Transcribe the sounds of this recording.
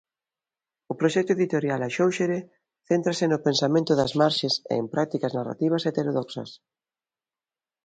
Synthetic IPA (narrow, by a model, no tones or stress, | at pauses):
ʊpɾoʃɛk̚t̪ʊeðit̪oɾjalɐʃowʃeɾe | θent̪ɾasɪnʊpensamẽnt̪ʊðɐzmaɾʃesḛempɾak̚t̪ikɐznara̰t̪iβ̞ɐset̪eɾoðɔksɐ̰s